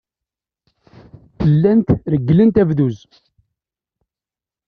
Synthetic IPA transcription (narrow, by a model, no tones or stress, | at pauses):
θəlːænt̪ɾəɡːlənt̪ævðuz